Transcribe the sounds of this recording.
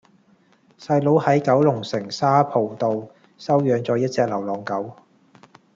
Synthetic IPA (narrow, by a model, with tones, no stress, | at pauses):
sɐ˧jlo˨˥whɐ˨˥jkɐ˨˥wlʊ˨˩ŋsɪ˨˩ŋsaː˥pʰo˨˩wt̪o˨˧w | sɐ˥wjœː˨˥ŋt͡sɔː˨˥jɐ˥t̚t͡sɛː˧k̚lɐ˨˩wlɔː˨˩ŋkɐ˨˥w